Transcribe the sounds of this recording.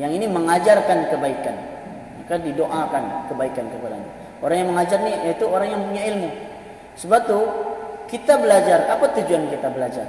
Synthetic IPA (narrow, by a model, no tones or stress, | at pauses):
jaŋiniməŋad͡ʒarkankəbaikan | makadidoʔakankəbaikankəpada̰ɲa̰ | oɾaŋjaŋməŋad͡ʒarnijait̪uoɾaŋjaŋpuɲailmu | səbap̚t̪ukit̪abəlad͡ʒarapat̪ud͡ʒuankit̪abəlad͡ʒa̰r